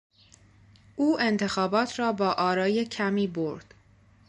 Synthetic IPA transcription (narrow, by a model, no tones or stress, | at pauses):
ʔuːʔe̞nt̪ʰe̞xɒːbɒːt̪ʰɾɒːbɒːʔɒːɾɒːje̞cʰæmiːboɾd̪̥